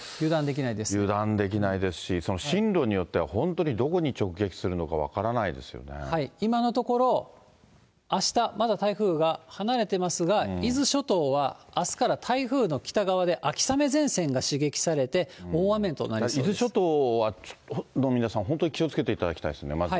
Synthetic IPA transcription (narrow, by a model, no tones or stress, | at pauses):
jɯ̟ːd̪ãnd̪e̞kʲinaid̪e̞sjɯ̟ːd̪ãnd̪e̞k̬ʲinaid̪e̞sɨ̥ɕiso̞no̞ɕĩnɾo̞ːɲ̟ijo̞t̪ːe̞βahõ̞nt̪o̞ɲ̟id̪o̞ko̞ɲ̟it͡ɕo̞kɯ̟ɡe̞kʲi̥sɨɾɯ̟no̞kaβa̰kaɾanaid̪e̞̰sɨjo̰ne̞̰haiimano̞t̪o̞ko̞ɾo̞ | aɕi̥t̪amad̪at̪aiɸɯ̟ːɡahanaɾe̞t̪e̞masɨɡaizɨɕo̞t̪o̞ːβaːsɨ̥kaɾat̪ʰaiɸɯ̟ːno̞kʲi̥t̪aɡaβ̞ad̪e̞ʔakʲi̥same̞zẽ̞ɰ̃sẽ̞ŋɡaɕiɡe̞kʲi̥saɾe̞t̪e̞oːβamẽnt̪o̞̰naɾʲiizɨɕo̞t̪oːβao̥no̞mʲinasãɦõnt̪o̞ɲikʲio̞t͡sɨ̥ke̞t̪e̞it̪ad̪akʲt̪aiesnemaai